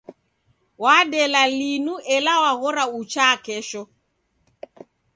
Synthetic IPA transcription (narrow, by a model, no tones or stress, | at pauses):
waɗɛlalinuʔɛlawaɣɔɾaut͡ʃakɛʃɔ